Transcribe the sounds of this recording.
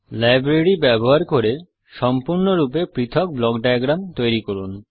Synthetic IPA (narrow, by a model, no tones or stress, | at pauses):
lajbɾeɾibɛboɦaɾkoɾe | ʃɔmpuɾnoɾup̬epɾit̪ʰok̚blɔkɖajɡɾamt̪ojɾikoɾun